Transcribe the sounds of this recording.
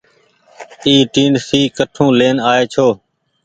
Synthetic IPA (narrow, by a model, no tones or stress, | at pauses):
iːʈiːɳɖsiːkəʈʰũːleːnaːeːt͡ʃʰoː